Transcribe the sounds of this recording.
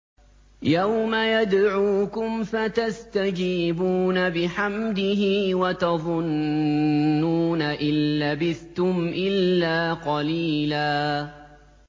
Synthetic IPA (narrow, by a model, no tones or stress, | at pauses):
jawmajad̪ʕuːkʊmfat̪ast̪ad͡ʒiːbuːnabɪħamd̪ɪɦiːwat̪ɑðˤʊnː | uːnaʔɪnlabɪθt̪ʊmʔɪlːaːqɑliːlaː